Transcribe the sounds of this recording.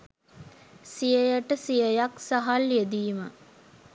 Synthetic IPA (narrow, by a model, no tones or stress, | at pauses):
sijəjəʈəsijəjaksaɦaljed̪iːmə